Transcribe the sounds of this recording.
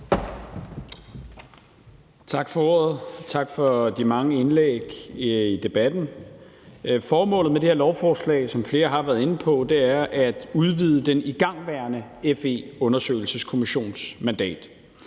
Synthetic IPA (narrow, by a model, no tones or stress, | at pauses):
t͡sʰɑ̈ɡ̥fɒ̽ɔɐð̩ˠt͡sʰɑ̈ɡ̥fɒ̽d̥imɑ̈ŋəe̝nleɡ̥id̥e̝b̥æd̥n̩ | fɒːmɔ̰̽ːlð̩ˠmed̥eheɐlɒʊfɒːslɛ̰ɪsɒ̽mfle̝ːɐɦɑ̈ʋæːɐð̞̩ˠe̝nəpʰɒ̽d̥e̝æɐʔæd̥uð̞ˠʋið̞ˠəd̥eniɡ̥ɑ̈ŋ̰ʋæɐnəefe̝̰ɔ̽nɐsø̰ːɪlsəskʰo̝miɕo̝̰ːnsmænd̥ɛ̰ːd̥